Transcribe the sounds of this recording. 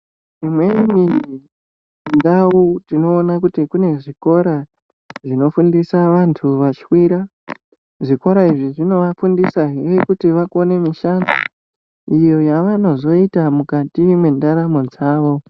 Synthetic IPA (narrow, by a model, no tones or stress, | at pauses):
imwe̞ini | ndautino̞ːnakutikune̞ʐiko̞ɾa | ʐino̞fundisaʋantʰuʋat͡ʃi̥wiɾa | ʐiko̞ɾaiʐiʐino̞ʋafundisaɦerekutiʋakone̞miʃana | ijo̞jaʋano̞zo̞itamukatimwendaɾamod͡zaːʋo̞